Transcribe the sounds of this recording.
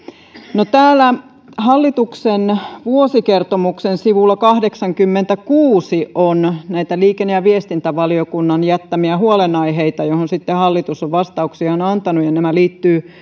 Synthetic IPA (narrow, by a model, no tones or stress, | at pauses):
not̪æːlːˑæ | hɑlːit̪uksenʋuosikert̪omuksensiʋulːɑkɑhdeksɑŋkymːent̪ækuːsiʔonnæit̪æliːkenːejɑʋiest̪int̪æʋɑliokunːɑnjæt̪ːæmiæhuolenɑiɦeit̪ɑjohonsit̪ːehɑlːit̪usoʋʋɑst̪ɑuksiɑonɑnt̪ɑnujɑnemæliːt̪ːyː